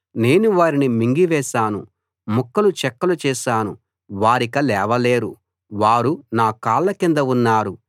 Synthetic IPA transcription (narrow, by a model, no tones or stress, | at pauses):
ne̞ːnuʋaːɾinimiŋɡiʋɛːʃaːnu | mukːɐlut͡ʃɛkːɐlut͡ʃɛːʃaːnu | ʋaːɾikɐlɛːʋɐleːɾṵ | ʋaːɾunaːkaːlːɐkind̪ɐunːaːɾu